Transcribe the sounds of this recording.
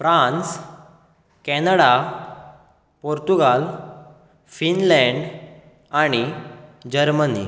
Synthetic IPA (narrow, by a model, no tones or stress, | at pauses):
fɾãns | kɛnəɽa | poɾt̪uɡal | finlɛ̃ɳɖ | aɽ̃id͡ʑəɾmənḭ